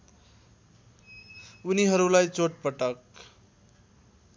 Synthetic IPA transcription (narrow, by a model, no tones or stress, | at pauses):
uniɦʌɾulajt͡soʈ̚pʌʈʌk̚